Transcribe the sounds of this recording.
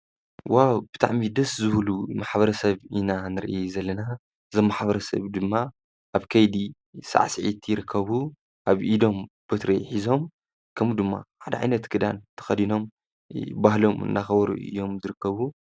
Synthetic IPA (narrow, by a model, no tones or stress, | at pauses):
wawb̥ɨt̪ʰa̰ʕmid̪ɐszɨβlumaħbɐɾɐsɐβinanɨɾʔzɐlːɐna | zɐmːaħbɐɾɐsɐ̰βd̪ɨmːa | ʔaβkʰɐjd̪i | sa̰ʕsɨʕit̪ʰjɪɾɨkʰːɐβu | ʔaβʔid̪o̞m | b̥ɐt̪ɾḛħizo̞m | kʰɐmud̪ɨmːa̰ħad̪ɐʕa̰jnɐt̪ɡʰɨd̪ant̪ʰɐ̥xɐd̪ino̞m | bahlo̞mɨ̰nːaxɐβɐɾṵʔɨ̰jːo̞mzɨɾɨkʰːɐβu